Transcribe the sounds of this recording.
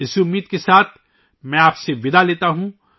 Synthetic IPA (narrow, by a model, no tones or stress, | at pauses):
ɪsʊmːiːd̪̚kesaːt̪ʰ | mɛ̃ːaːpseʋɪd̪aleːt̪aɦũ